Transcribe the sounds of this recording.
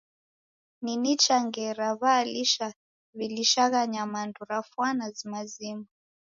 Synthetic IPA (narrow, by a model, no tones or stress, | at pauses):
ninit͡ʃaŋɡɛɾaβaːliʃa | βiliʃaɣaɲamanduɾafwanazimazima